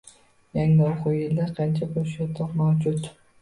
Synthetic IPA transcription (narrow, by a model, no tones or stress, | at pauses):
jaŋɪoqʊɪld̪aqʰɑnt͡ʃʰaboʃjat̪ʰɒɾmawd͡ʒʊt̪